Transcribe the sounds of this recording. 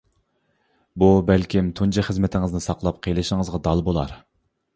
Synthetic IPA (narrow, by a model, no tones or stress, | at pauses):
bubælkʲimt̪ʰunt͡ʃʰɑχəzmɪt̪ʰɪŋɨznɪsɑqlˠɑp̚qʰejlˠɨʃɪŋəzʁɑd̪ɑlˠbolˠɑ̰ɾ